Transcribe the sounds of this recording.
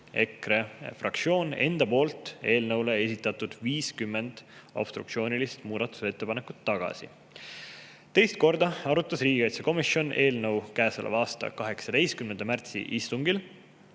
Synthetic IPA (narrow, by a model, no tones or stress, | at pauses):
e̞krefrɑk̪̚sio̞ːne̞nd̪̥ɑpo̞ːlt̪ˑe̞ːlnɤ̞wle̞e̞sit̪ːˑɑt̪ːˑud̪̥viːskymːe̞nd̪̥o̰b̥st̪ɾṵk̚tsio̞ːnʲilist̪muːd̪ɑt̪ːˑu̥se̞t̪ːe̞pɑne̞ku̥t̪ːɑɡ̥ɑ̰sḭ | t̪e̞jst̪̚ko̞rd̪̥ɑɑɾut̪ːˑɑsriːɡiɑjt̪seko̞misjo̞ne̞ːlnə̞wkæːselʔɑ̰ɑːst̪ɑ̰kɑɦe̞ksɑd̪̥e̞jst̪̚kymnend̪ɑmært̪sḭʔist̪uŋɡil